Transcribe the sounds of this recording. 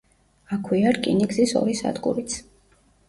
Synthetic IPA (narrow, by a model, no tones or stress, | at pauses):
akʰwiaɾkʼḭniɡzisɔ̰ɾisa̰d̪kʼṵɾit̪sʰ